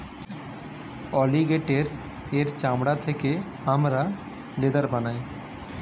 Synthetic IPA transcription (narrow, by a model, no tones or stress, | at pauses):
ɔliɡeʈeɾ | eɾt͡ʃamɽat̪ʰeke | amɾa | led̪aɾbanaj